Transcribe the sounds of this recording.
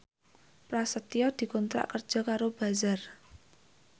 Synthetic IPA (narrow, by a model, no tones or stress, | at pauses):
pɾasət̪ijɔd̪̥i̤kɔnt̪ɾa̰ʔkər̥ʒ̥ɔ̤kaɾob̥a̤zar